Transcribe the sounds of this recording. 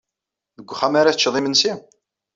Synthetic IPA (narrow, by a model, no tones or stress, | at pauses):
ðəɡʷːχæmaɾaθt͡ʃːðˤimənsi